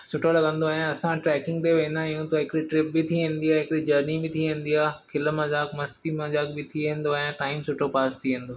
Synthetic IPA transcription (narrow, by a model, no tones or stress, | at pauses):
sʊʈʰolɐɡə̃nd̪oaːɦjãɐsãʈɾɛːkɪ̃ŋɡ̚t̪eʋẽːnd̪ãɪjũt̪oɦɪkɪɾiʈɾɪp̚bɪt̪ʰiʋẽːn̆d̪iaːɦɪkɾid͡ʑɐɾnibɪt̪ʰiʋẽːn̆d̪iaːkʰɪlmãd͡ʑaːkmɐst̪imãd͡ʑaːkbɪt̪ʰiʋẽːn̆d̪oaːɦjãʈaːɪmsʊʈʰopaːst̪ʰiʋẽːn̆d̪oː